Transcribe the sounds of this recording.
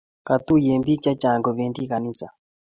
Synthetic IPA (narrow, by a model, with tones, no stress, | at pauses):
ka˨t̪u˦je˨mbi˦t͡ʃa˦t͡ʃa˨ŋɡɔ˨βɛ˨ndi˦ka˨ni˦sa˨